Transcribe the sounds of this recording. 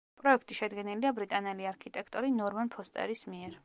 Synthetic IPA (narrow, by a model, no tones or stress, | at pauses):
pʼɾɔɛkʰt̪ʼiʃɛd̪ɡɛniliabɾit̪ʼanɛliaɾkʰit̪ʼɛkʰt̪ʼɔɾinɔɾmanpʰɔst̪ʼɛ̰ɾismiɛɾ